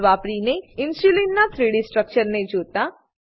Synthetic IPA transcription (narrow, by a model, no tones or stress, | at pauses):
ʋaːpɾineɪ̃nsulinːat̪ʰɾiːɽisʈɾək̚t͡ʃəɾnẽd͡ʒoːt̪a